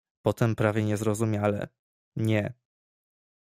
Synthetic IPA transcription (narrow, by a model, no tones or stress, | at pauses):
pɔt̪ɛmpɾavʲjɛɲɛzɾɔzumʲjalɛ̰ | ɲɛ